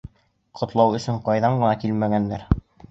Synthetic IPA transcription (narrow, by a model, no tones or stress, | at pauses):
qʰŏt̪lˠɑwɵ̆sɵɴqɑjðɑɴɢɤ̆nɑkilmæɡænːæɾ